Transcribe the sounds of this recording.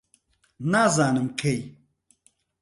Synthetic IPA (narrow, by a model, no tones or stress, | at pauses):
naːzaːnɨmkʰej